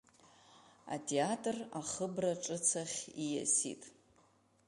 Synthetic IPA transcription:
a̰tʼʰeatʼraχəbraʈ͡ʂʼɨt͡sʰaχʲija̰sḭtʼ

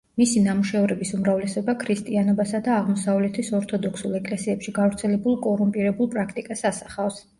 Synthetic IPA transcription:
misinamuʃɛɔvɾɛbisumɾavlɛsɛbakʰɾist̪ʼianɔbasad̪aːʁmɔsavlɛt̪ʰisɔɾt̪ʰɔd̪ɔkʰsulˠɛkʼlɛsiɛpʃiɡavɾt̪sʰɛlɛbulˠkʼɔɾumpʼiɾɛbulˠpʼɾakʰt̪ʼikʼasasaχafs

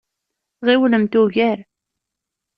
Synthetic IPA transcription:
ʁiwləmt̪uʝæɾ

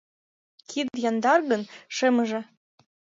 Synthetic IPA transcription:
kʰid̪jɑnd̪ɑrɣɤ̆nʃɘ̆mɤ̆ʒĕ

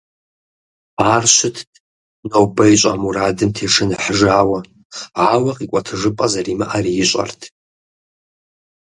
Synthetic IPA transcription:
arʃʷʊtʰ | nowbɐjɕʷʼa̰muɾadɨmtʰeʂɨnɨħʒaːwa | ʕawaqʼikʷʼatʰɨʐɨpʼazarimaʔarijɪɕʷʼa̰rtʰ

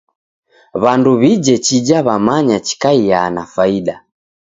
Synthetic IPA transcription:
βanduβid͡ʒɛt͡ʃid͡ʒaβamaɲat͡ʃi̥kaijanafaiɗa

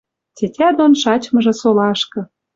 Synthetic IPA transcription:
tʲetʲæd̪onʃɑt͡ɕmɤ̆ʒĕsolɑʃkɤ̆

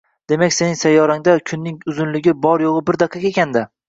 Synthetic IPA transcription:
d̪̥e̞makʲse̞nɪŋsajːɒɾaŋd̪akʲʰʊnːɪŋʊzʊnlɪɡʲɪbɒɾjoʁɨbɪɾd̪aqʰːɑkʲekʲand̪ɪ

